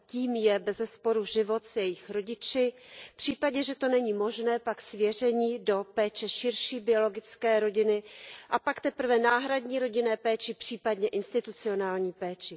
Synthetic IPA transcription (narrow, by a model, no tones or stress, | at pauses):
ciːmjɛbɛzɛspo̞ɾuʒɪvo̞t̪sjɛjɪxɾo̞ɟɪt͡ʃɪpr̝̥iːpaɟɛʒɛt̪o̞nɛɲiːmo̞ʒnɛːpaksvjɛr̝ɛɲiːdo̞pɛːt͡ʃɛʃɪɾʃiːbɪo̞lo̞ɡɪt͡skɛːɾo̞ɟɪnɪʔapakt̪ɛpr̩vɛnaːɦɾadɲiːɾo̞ɟɪnɛːpɛːt͡ʃɪpr̝̥iːpadɲɛʔɪnst̪ɪt̪ut͡sɪo̞naːlɲiːpɛːt͡ʃɪ